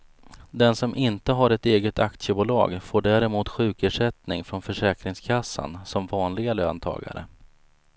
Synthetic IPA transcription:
d̪ɛnsɔmʔɪnt̪əɦaɾɛt̪eːɡət̪akt̪səbuːlɑ̰ːɡfoːɖæːɾɛmuːt̪ɧʉ̟ːkeʂɛt̪nɪŋfɾɔnfœʂɛːkɾɪŋskʰasːa̰nsɔmvɑːnlɪɡaløːnt̪ʰɑ̰ːɡa̰ɾə̰

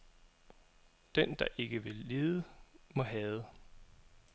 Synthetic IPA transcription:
d̥end̥ɑ̈ʔe̝ɡ̥əʋe̝lːeːðˠəmɒ̽ɦɛːðˠə

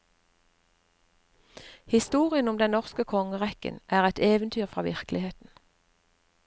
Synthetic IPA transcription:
hɪst̪uːʁɪənʊmd̪ɛnnɔʁskəkʰɔŋəʁɛkə̰nʔæːʁɛt̪eːʋənt̪ʰyːʁfʁɑːʋɪ̰ʁklɪheːt̪n̩

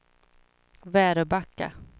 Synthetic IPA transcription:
væːɾəbakːa̰

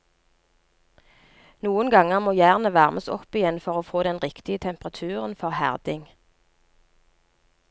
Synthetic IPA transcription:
nuːənɡɑŋəʁmoːjæːʁnəʋæʁmʔəsɔ̰pɪjɛnfɔʁoːfoːd̪ɛnʁɪkt̪ɪət̪ʰɛmpəʁɑt̪ʰʉːʁənfɔʁhæ̰ʁd̪ɪŋ

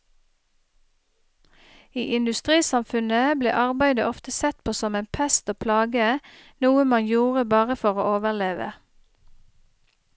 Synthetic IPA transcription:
iːʔɪnd̪ʉst̪ʁiːsɑmfʉnəblḛːʔɑʁbæɪd̪əʔɔft̪əsɛt̪̚pʰoːsɔmeːnpʰɛst̪oːpʰlɑːɡə | nuːəmɑnjuːʁəbɑːʁəfɔʁo̰ːoːʋəʁleːʋə̰

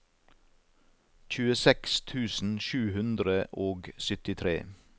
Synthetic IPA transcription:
c͡çʉːəsɛkst̪ʰʉːsn̩ʃʉːhʉnd̪ɾəʔoːɡsʏt̪ɪt̪ʰɾḛː

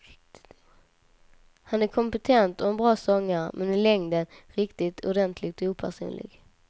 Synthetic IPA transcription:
hanækʰɔmpɛt̪ʰɛnt̪ɔɛnbɾɑːsɔŋːəɾmʔɛnɪlɛŋd̪ənɾɪkt̪ɪt̪ʰʊdɛnt̪ʰlɪɡ̚t̪uːpʰæʂṵːnlɪ̰ɡ

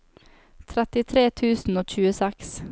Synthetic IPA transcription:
t̪ʰɾɛt̪ɪt̪ʰɾeːt̪ʰʉːsn̩oːc͡çʉːəsɛks

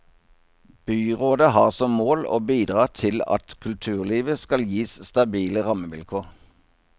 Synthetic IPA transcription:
b̥yːʁoːd̪əhɑːʁsɔmmoːlo̰ːbiːd̪ʁɑːt̪ʰɪlɑ̰t̪kʰʉlt̪ʰʉːʁliːʋəskɑljiːsst̪ɑbiːləʁɑməʋɪlkʰuːʁ

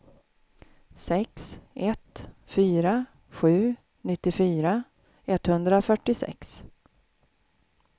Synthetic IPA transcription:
sɛksʔɛt̪fyːɾa | ɧʉ̟ː | nɪt̪ːɪfyːɾa | ɛt̪ːhɵnd̪ɾaɔfœʈːɪsɛ̰ks

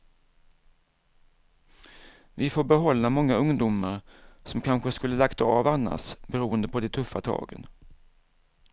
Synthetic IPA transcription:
vɪfoːɾbɛɦɔlːamɔŋːaɵŋd̪uːmaɾsɔmkʰanɧəskɵlːəlakt̪ɑːvanːa̰sbɛɾuːənd̪əpʰɔd̪ɛt̪ʰɵfːat̪ʰɑ̰ːɡə̰n

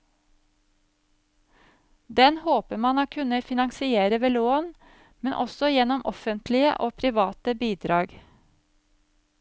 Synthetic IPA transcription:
d̪ɛnhoːpəmɑnoːkʰʉnəfɪnɑŋsɪeːɾəʋeːloːn | mɛnʔɔ̰sɔjɛnɔmʔɔfənt̪ʰlɪə̰ʔoːpʰɾɪʋɑːt̪əbiːd̪ɾɑːɡ

